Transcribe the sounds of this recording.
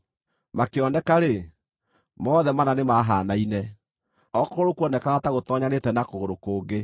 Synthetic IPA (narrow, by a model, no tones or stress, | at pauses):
makeɔnɛkaɾe | mɔðɛmananemaɦaːnainɛ | ɔkooɾokuɔnɛkaɣataɣotɔɲanetɛnakoɣoɾokoːɡe